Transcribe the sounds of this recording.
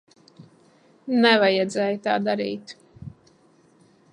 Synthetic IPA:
nɛvajɛd̪zɛːjt̪aːd̪aɾḭːt̪

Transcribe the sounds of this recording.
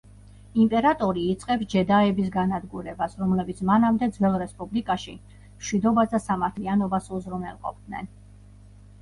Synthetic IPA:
impʼɛɾat̪ʼɔɾiːt̪sʼqʼɛpsd͡ʒɛd̪aɛbis̬ɡanad̪ɡuɾɛbasɾɔmlɛbit̪sʰmanamd̪ɛd̪zwɛlˠɾɛspʼublikʼaʃi | mʃwid̪ɔbasd̪asamaɾt̪ʰlianɔbasuzɾumɛlˠqʼɔ̰p̚ʰd̪̥nɛ̰n

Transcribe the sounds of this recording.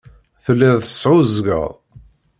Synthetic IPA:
θəlːæðθə̥sˤʕʊzɡə̰ðˤ

